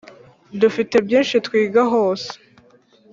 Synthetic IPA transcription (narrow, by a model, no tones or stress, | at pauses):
dufitebjeːnʃetkwiːɡaɦoːse̥